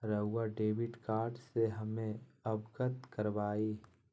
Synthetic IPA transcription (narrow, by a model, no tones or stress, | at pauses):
ɾɐɦʊwaɖeːʋɪɖkaːɾɖseɦɐmẽɐbɡət̪kɐɾʋaːiː